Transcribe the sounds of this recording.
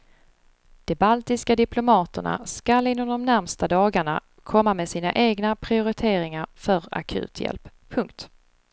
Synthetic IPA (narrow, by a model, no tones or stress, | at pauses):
d̪̥ɛbalt̪ɪskad̪ɪpʰlʊmɑːt̪əɳa̰skalɪnːɔmd̪ɔmnæɾmst̪ad̪ɑːɡaɳa̰ | kʰɔmːamɛd̪siːna̰ʔeːɡnapʰɾɪʊɾɪt̪ʰeːɾɪŋaɾfœɾa̰kʰʉ̰ːt̪ʰjɛ̰lp | pʰːɵŋkt̪